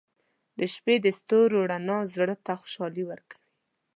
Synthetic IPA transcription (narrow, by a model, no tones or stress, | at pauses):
d̪əʃped̪əst̪oɾoɽanɑzɽət̪axʊ̥ʃɑliwəɾkḁwi